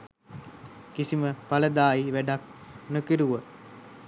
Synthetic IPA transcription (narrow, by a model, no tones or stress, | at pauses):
kisiməpaləd̪aːjiʋæɖak̚nokiɾuʋə